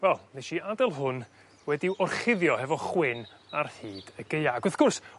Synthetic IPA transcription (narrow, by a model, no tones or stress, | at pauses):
wɛlˠneʃiadɛlˠɦʊn | wɛdiʔɔrχɪðjɔhɛvɔχwɪn | arhiːd̥əɡejaːɡʊθɡ̥ʊrs